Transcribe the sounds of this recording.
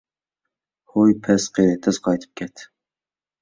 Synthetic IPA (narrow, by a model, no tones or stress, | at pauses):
hojpʰɛsqʰeɾɨt̪ʰɛzqʰɑjt̪ʰɨ̥p̚kʲʰɛt̪